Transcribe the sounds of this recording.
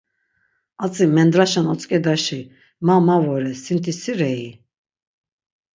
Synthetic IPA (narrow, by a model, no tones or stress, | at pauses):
at͡sʼimɛnd̪ɾaʃanɔt͡sʼkʼɛd̪aʃi | mamavɔɾɛsint̪ʰisiɾɛi